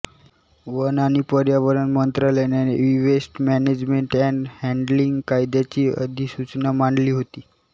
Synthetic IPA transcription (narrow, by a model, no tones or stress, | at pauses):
ʋənañipəɾjaʋəɾənmənt̪ɾalenjaneʋiʋesʈmæned͡ʑmeɳʈɛɳɖhɛɳɖliŋɡkajd̪jat͡ɕiːə̰d̪ʱiːsut͡ɕnamaɳɖliːɦot̪iː